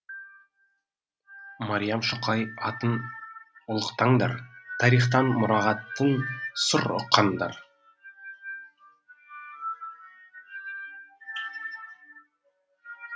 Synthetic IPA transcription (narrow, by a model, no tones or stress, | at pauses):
maɾʲijɑmʃʊqɑjɑt̪ən | ʊlˠəqt̪ɑɴd̪ɑɾt̪ʰɑɾiχt̪ɑnmʊɾɑʁɑt̪ːənsʊɾo̰qʰːɑnd̪ɑ̰ɾ